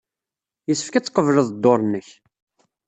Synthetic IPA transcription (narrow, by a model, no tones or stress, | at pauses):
jəsːə̥fkæt͡sːə̥qːəvʒəðd̪ːoɾˤnːəç